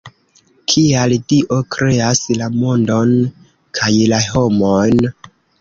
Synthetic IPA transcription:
kʰialdiʔo̞kɾe̞aslamo̞ndo̞n | kʰajlaho̞mojn

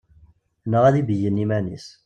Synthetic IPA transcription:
nəʁæðibəjənːimænis

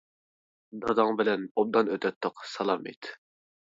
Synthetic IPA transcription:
d̪ɑd̪ɑŋbɪlɛnob̚d̪ɑnøt̪ʰɛt̪ːʊqsɑlˠɑmḛt̪ʰ

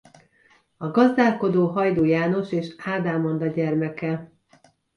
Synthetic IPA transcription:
ɒɡɒzd̪aːlko̞d̪oːɦɒjd̪oːjaːno̞ʃeːʃaːd̪aːmond̪ɒɟɛrmɛkɛ

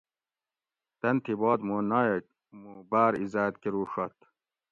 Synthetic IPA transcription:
t̪ɐnt̪ʰibɔːd̪munaje | mubaːɾizaːt̪kiɾuːʂɔt̪

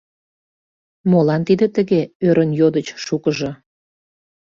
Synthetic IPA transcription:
molɑnt̪id̪ət̪əɣeøɾənjod̪ət͡ɕʃukəʒɤ

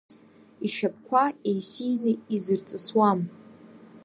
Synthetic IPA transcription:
iʃap̚ʰʼkʷʰaejsijnɨizɨrt͡sʼɨswam

